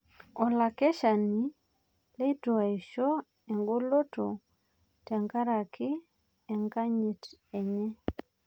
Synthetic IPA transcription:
ɔ˨la˨kɛ˦ʃa˨ni˨ | le˦tu˨a˨i˨ʃɔ˦ | ɛ˨ŋɡo˦lo˦to˨ | tɛ˨ŋka˦ɾa˨kɪ˦ | ɛ˨ŋka˦ɲi˨tɛ˨ɲɛ˦

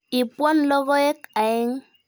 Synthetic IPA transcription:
i˨pwɔ˦nlɔ˦ɣɔ˦e˦ka˨e˦ŋ

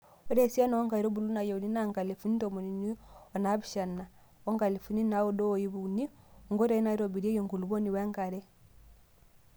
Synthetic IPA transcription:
ɔ˦ɾɛ˨si˦a˦nɔ˨wɔ˦ŋɡa˨i˨ɾɔ˦bu˨lu˦na˨ja˨u˨ni˦na˦ŋɡa˨le˨fu˦ni˦tɔ˨mu˨ni˨ni˦ɔ˨na˦bi˨ʃa˨na˨ | ɔ˦ŋɡa˨li˨fu˨˦ni˦na˨˦o˦dɔ˦˨ji˦βu˨ni˦ | ɔ˨ŋɡɔ˦ɾa˦i˦na˨i˦ɾɔ˨bi˨ɾi˦e˦jo˨ŋɡu˨lu˨βɔ˦ni˨wɛ˦ŋka˨ɾɛ˦

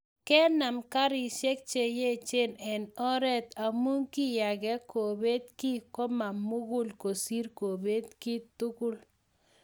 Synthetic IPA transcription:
kɛ˦na˨mka˦ɾɪ˨ʃe˦k̚t͡ʃe˨je˦t͡ʃe˦˨nɛ˨nɔ˦ɾɛ˦t̪a˨mu˦ŋkɪ˦ja˨ɡɛ˦ko˨be˦t̪ki˦kɔ˦ma˨mʊ˦ɡʊ˦lko˨si˦ɾko˨be˦t̪kɪ˦t̪ʊ˦kʊ˦l

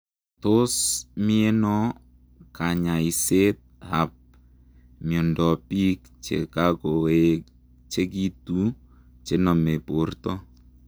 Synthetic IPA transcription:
to˦smi˦e˦nɔ˦ | ka˨ɲa˨i˨se˦t̪̚ha˨p̚ | mjɔ˨ndɔ˨pi˦k̚ | t͡ʃḛ˨ka˦ko˨e | t͡ʃe˦ki˦tu˦ | t͡ʃe˦nɔ˨me˨po˨rtɔ˦

